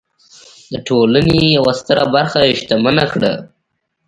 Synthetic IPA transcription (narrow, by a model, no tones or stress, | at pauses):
d̪əʈʰolaneejawast̪əɾabaɾxaʃt̪amanakɽa̰